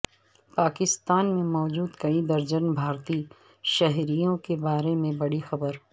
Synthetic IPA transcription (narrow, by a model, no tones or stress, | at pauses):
paːkɪst̪aːnmẽmɔːd͡ʒuːd̪kɐid̪ɐɾd͡ʒənbʱaːɾt̪iː | ʃɐɦɾijõkebaːɾemẽbɐɽixɐbəɾ